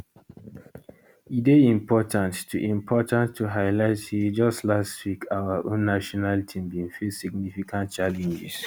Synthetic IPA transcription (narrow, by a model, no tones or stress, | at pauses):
ideĩmpɔtãntːuʔĩmpʰɔtãnːuɦaɪlaɪtid͡ʒɔstlastwikawaʔõnːaʃɔnaltʰĩmbĩnfisiɡ̚nifikʰãnt̚t͡ʃalɛ̃nd͡ʒḭs